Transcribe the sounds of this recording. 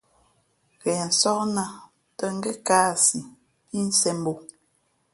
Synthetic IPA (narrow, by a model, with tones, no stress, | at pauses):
ɣɛ˨n̩˨sɔ˦kna˦ | tə˦ŋ̩˦ɡɛ˦kaː˦si˨ | i˦n̩˦sɛ˨m˦bo˨